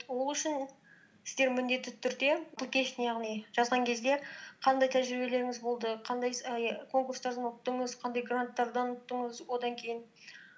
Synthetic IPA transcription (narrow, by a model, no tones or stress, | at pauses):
wo̞lˠʏʃɪn | sɪzd̪eɾmʏnd̪e̞t̪ːɪt̪ʰʏɾd̪e̞bʊlˠkʲʰe̞ʃɪnejɑʁnijʒ̥ɑzʁɑŋkʲʰe̞zd̪e̞qʰɑnd̪ɑjt̪ʰæʒɾibe̞le̞ɾɪŋɪzbo̞lˠd̪əqʰɑnd̪ɑjjkʰo̞ŋkurst̪ɑɾd̪ɑnʊt̪ːəɴəzqʰɑnd̪ɑjɡrant̪ːɑɾd̪ɑnʊt̪ːəɴəzwo̞d̪ɑŋkʲʰe̞jɪn